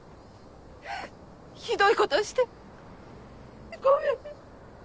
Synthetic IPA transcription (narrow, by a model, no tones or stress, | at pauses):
çid̪o̞ikot̪oɕi̥t̪e | ɡojo